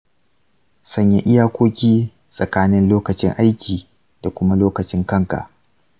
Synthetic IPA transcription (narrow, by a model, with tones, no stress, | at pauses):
sɐ˦ɲja˨ʔɪ˦jaː˦kʷoː˦kʲiː˦ | sʼɐ˨kaː˦nɪ˦nloː˦kɐ˨t͡ʃɪ̰˦ŋʔa˦jkʲʰiː˨ | d̥a˨kʷʊ˦ma˦loː˦kɐ˨t͡ʃɪ˦ŋkɐ˦ŋka̰˨ʔ